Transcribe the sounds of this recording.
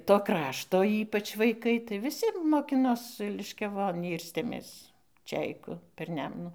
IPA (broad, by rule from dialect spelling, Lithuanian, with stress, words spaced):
toː ˈkrɑːʃtoː ˈiːpɐt͡ʃ ʋɐɪˈkɐɪ tɐɪ ʋʲɪˈsʲɪ moːˈkʲɪnoːs lʲɪʃʲkʲɛˈʋoːn ˈiːrʲsʲtʲeːmʲeːs ˈt͡ʃʲɛɪkʊ pʲɛr ˈnʲɛmnuː